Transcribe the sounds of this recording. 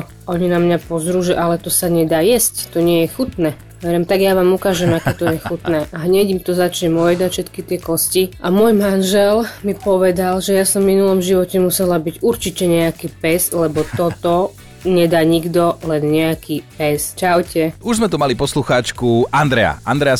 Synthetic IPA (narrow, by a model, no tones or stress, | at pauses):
ɔɲinamɲapɔzɾuːʒɛʔalɛt̪ɔsaɲɛd̪aːjɛsct̪ɔɲɪɛjɛxut̪nɛː | ʋɛɾɛmt̪aɡjaʋaːmukaːʒɛmakɛːt̪ɔjɛxut̪nɛːʔaɦɲɛɟimt̪ɔzat͡ʃɲɛmɔjɛd̪aʃɛt̪kit̪ɪɛkɔsciʔamʊɔjmanʒɛlmipɔʋɛd̪alʒɛjaːsɔɱːminulɔmʒiʋɔcɛmusɛlabiɟuɾt͡ʃicɛɲɛakiːpɛzlɛbɔt̪ɔt̪ɔ | ɲɛd̪aːɲiɡd̪ɔlɛnɲɛakʰiːpɛst͡ʃawcɛuʒzmɛt̪umalipɔsluxaːt͡ʃkuʔand̪ɾɛa̰a̰nd̪ɾɛa